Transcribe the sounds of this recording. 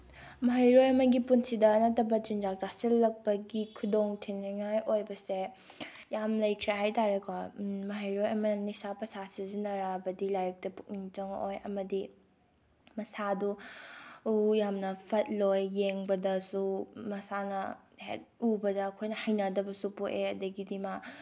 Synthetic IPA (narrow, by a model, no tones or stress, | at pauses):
mɐɦɐjɾojɐmɐɡipunsidɐːnɐtːɐbɐt͡ʃind͡ʒak̚d͡ʒasilːɐk̚pɐɡikʰudoŋtʰinaŋajʔojbɐse | jamlɐjkʰiɾaɦajtaɾekʰwamɐɦɐjɾojɐmɐnisapɐsasizinɐɾabɐdilajɾɐk̚tɐpuk̚niŋt͡ʃɐŋo̰jɐ̰mɐdi | mɐsadu | ujamnɐpʰɐt̚lojːeŋbɐdɐsumɐsanɐ | hḛt̚ubɐdɐːkʰojnɐhɐjnɐdɐbɐsupuʔʔeɐdɐɡidima